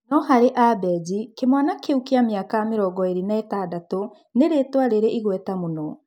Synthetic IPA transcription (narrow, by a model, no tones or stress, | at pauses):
nɔhaɾeʔabɛd͡ʒikemanakeukeameakameɾɔɡɔeɾinaetadato | neɾetwaɾeɾeʔiɣwɛtamonɔ